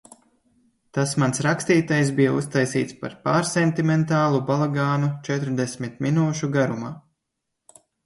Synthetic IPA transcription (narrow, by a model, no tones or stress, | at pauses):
t̪asmansɾakst̪iːt̪ajs̬bijaust̪ajsiːt̪spa̰ɾpaːɾsent̪imɛnt̪aːlˠubalˠaɡaːnut͡ʃɛt̪ɾd̪esʲmit̪minuːʃuɡaɾumaː